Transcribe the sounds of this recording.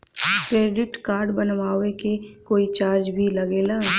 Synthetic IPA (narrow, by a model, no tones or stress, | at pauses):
kɾeːɖɪʈkaːɾɖbənʋaːʋekekoːit͡ʃaːɾd͡ʒbʱilɐɡeːlaː